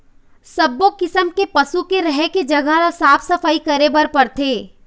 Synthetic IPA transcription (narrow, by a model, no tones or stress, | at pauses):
sɐbːokɪsəmkepɐsukeɾɐɦeked͡ʒɐɡaɾasaːfʰsɐfaikɐɾebɐɾpɐɾt̪ʰeː